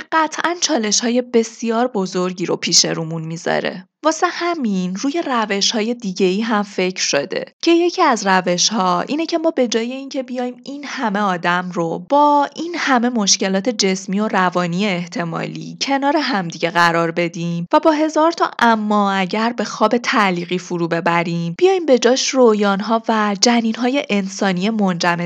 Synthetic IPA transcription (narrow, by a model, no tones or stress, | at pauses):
ɢ̥æt̪ʰʔænt͡ʃʰɒːle̞ʃhɒːje̞be̞sijɒːɾbo̞zo̞ɾɟiːɾo̞̰pʰiːʃe̞̰ɾuːmunmizɒ̰ɾe̞̰ | vɒːse̞hæminruːje̞ræve̞ʃhɒːje̞d̪iɟe̞iːɦæmfe̞cʰɾ̥ʃod̪e̞̰cʰe̞je̞cʰiæzræve̞ʃhɒːʔḭːnecʰe̞mɒːbe̞d͡ʒɒːje̞incʰe̞bijɒːjiːminhæme̞ɒːd̪æmro̞b̥ɒːinhæme̞mo̞ʃce̞lɒːt̪ʰe̞d͡ʒe̞smiːo̞ɾævɒːnieːht̪ʰe̞mɒ̰ːlḭːcʰe̞nɒːɾeɦæmd̪iɟe̞ɣæɾɒːɾbe̞d̪iːmvæbɒːɦe̞zɒːɾt̪ʰɒ̰ʔæmːɒːæɟæɾbe̞xɒːbe̞t̪ʰæʔliːɣiːfuɾuːbe̞bæɾiːmbijɒːjiːmbe̞d͡ʒɒːʃrojɒːnɦɒːvæd͡ʒæniːnɦɒːje̞ʔensɒːnie̞mond͡ʒæme